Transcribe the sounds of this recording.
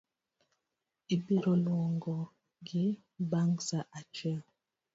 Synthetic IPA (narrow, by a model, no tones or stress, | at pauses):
ibiɾɔlwɔŋɡɔ | ɡi | baŋsaʔat͡ʃɥɛl